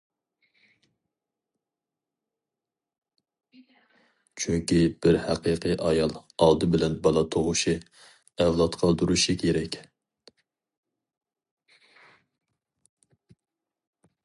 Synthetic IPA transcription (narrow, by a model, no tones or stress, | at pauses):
t͡ʃʰyŋkʲibɪɾhæqəqʰɨʔɑjɑlˠɑlˠd̪ɨbɪlɛnbɑlˠɑt̪ʰoʁʊʃi | ɛwlˠɑt̪qʰɑlˠd̪uɾuʃikʲʰeɾɛkʲ